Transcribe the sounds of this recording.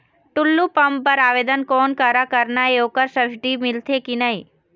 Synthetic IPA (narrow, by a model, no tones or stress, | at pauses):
ʈʊlːupɐmpəɾaːʋeːd̪ənkɔːnkaɾakəɾnaeoːkəɾsəɾsʈimɪlt̪ʰekinəɦĩ